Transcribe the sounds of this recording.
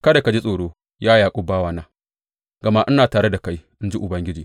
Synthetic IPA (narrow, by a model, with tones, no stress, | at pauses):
kɐ˦da˨ka˨d͡ʒi˦sʼoː˨ɽoː˦ | jaː˦jaː˨kʷʼʊ˦baː˦waː˦naː˦ | ɡɐ˨ma˦ʔɪ˦naː˨taː˨ɽe˦da˨ka˦j | ɪ˦nd͡ʒi˦ʔʊ˨bɐ˦ŋɡʲɪ˦d͡ʒiː˨